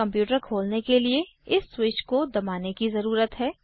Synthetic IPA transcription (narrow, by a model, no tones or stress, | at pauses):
ɐ̃mpjuːʈəɾkʰoːlnekelieɪsːwɪt͡ʃkod̪ɐmaːnekizɐɾuːɾət̪ɦɛː